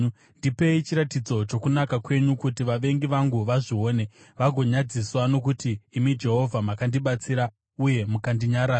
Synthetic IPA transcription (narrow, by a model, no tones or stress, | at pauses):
ndipe̞it͡ʃiɾatid͡zo̞t͡ʃo̞kunakakwe̞ɲukutiʋaʋe̞ŋɡiʋaŋɡuʋaʐio̞ːne̞ | ʋaɡʱo̞ɲad͡ziswano̞k̬utiːmid͡ʒe̞ɦo̞vʱamakandiɓat͡siɾa | uje̞mukandiɲaɾaː